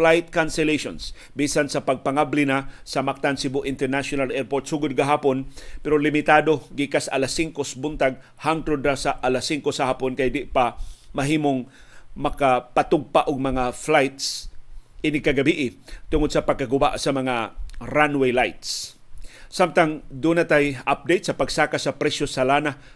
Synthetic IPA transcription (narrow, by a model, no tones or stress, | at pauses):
flajt̪̚kansɛleʃo̰ns | biːsansapaɡ̚paŋablɪnasɐmak̚t̪ansibʊʔɪnt̪ɛɹnaʃʊnalɛɾpoɾt̪suɡʊd̪̚ɡaɦaːponpɛɾolɪmɪt̪ad̪oɡikasaʔalasːiŋkosbʊnt̪aɡ̚ | haŋt̪ɾʊd̪ɾasaʔalasiŋkosahaːpʊnkajd̪ɪʔpamaɦiːmoŋ | mɐkapat̪ʊɡ̚paʔʊɡ̚mɐŋaflajt̪s | ʔɪnɪkaɡabiʔɪt̪ʊŋʊd̪̚sɐpaɡ̚kːaɡʊba̰ʔsɐmɐŋaɾanwejlajt̪s | samt̪aŋd̪unat̪ajap̚d̪ejt̪̚sɐpaɡsaːkasɐpɾɛsjosalana